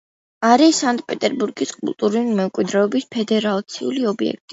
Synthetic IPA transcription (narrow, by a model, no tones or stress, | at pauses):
aɾisant̪ʼpʼɛt̪ʼɛɾbuɾɡiskʼṵlˠt̪ʼuɾulimɛmkʼwid̪ɾɛɔbispʰɛd̪ɛɾalˠt̪sʰiuliɔbiɛ̰k̚ʰt̪ʼi